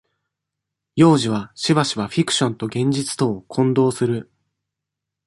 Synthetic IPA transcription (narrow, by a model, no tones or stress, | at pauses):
jo̞ːʑiβ̞aɕiβaɕiβaɸʲikɯ̟̥ɕõ̞nt̪o̞ɡẽ̞ɲ̟d͡ʑit͡sɨ̥t̪o̞ːkʰõ̞nd̪o̞ːsɨɾɯ̟